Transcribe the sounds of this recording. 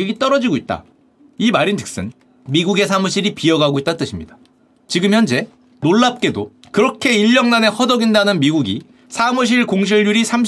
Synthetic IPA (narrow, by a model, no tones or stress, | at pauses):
iɡit͈ʌɾʌd͡ʑiɡoit̚t͈a̰ | imaɾintʰɯ̥k̚s͈ɯ̰n | miɡuɡe̞sʰamuɕʰiɾipiʌɡaɡoit̚t͈ant͈ɯɕʰimɲid̥ḁ | t͡ɕiɡɯmçjʌnd͡ʑe̞ | noɭːap̚k͈e̞do | kɯɾʌkʰe̞iʎːʌŋnane̞hʌdʌɡindanɯnmiɡuɡi | sʰamuɕ̬ʰiɭkoŋɕ̬ʰiɭːuɾisʰamɕ